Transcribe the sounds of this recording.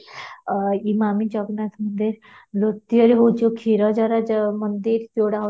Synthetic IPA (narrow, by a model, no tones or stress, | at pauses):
imamid͡ʑɔɡnat̪ʰmənd̪iɾ | lot̪ːiəɾeɦot͡ɕokʰiɾɔd͡ʑaɾamənd̪iɾt̪oɽa